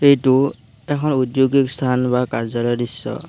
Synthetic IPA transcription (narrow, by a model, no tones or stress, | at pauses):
ejtu | ɛkʰɔnudjoɡikst̪ʰanbakaɹzalɔjdisːɔ̰